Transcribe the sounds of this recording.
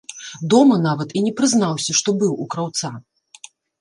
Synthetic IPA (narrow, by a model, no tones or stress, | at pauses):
d̪ɔmɐnavɐt̪inʲɛpɾɨznawsʲɐʂt̪ɔbɨwukɾawt̪sa